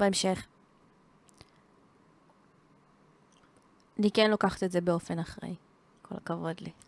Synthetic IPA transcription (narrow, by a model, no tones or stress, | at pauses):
beemʃeχ | anikenlokaχḁt̪etzebeo̞fe̞naχʁḛj | kʰo̞la̰kavo̞dli